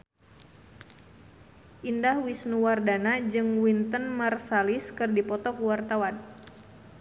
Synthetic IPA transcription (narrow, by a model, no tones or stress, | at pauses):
ʔindahwisnuwardanad͡ʒɨŋwint̪ənmarsaliskɨrdipɔt̪ɔkuwart̪awan